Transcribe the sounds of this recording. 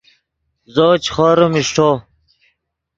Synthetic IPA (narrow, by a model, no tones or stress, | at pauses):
zoːt͡ɕχɔːɾumiʂʈʰoː